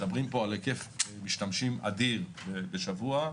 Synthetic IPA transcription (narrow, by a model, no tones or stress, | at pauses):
d̪abʁimpo̞alekefmiʃtamʃimʔa̰d̪iʁbebeʃavua